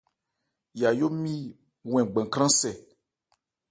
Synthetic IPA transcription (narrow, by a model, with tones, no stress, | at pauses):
ja˨jo˦mĩ˦ | w̃ɛ̃˨ɡ͡bɛ̃˨kɾ̃ã˦sɛ˨